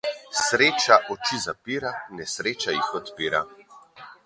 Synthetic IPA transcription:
sɾeːt͡ʃaʔɔt͡ʃizapiːɾanɛsɾeːt͡ʃajixɔt̪piːɾa

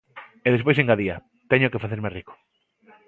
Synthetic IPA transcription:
eðespojs̬eŋɡaðia | t̪eɲokefaθeɾmeriko̥

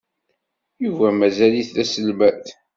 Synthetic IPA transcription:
juvæmæzæliθlæsəlmæθ

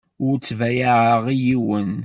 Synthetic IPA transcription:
ʊɾt͡sːvæjaʕəʁijiwən

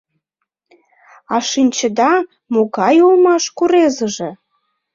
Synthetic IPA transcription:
ɑʃinʲt͡ɕə̆d̪ɑ | moɣɑjulmɑʃkuɾezəʒĕ

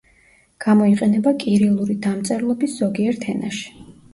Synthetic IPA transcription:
ɡ̥amɔiqʼɛnɛbakʼiɾɛulˠuɾid̪amt̪sʼɛɾlˠɔbisz̥ɔɡiɛɾt̪ʰɛna̰ʃi̥

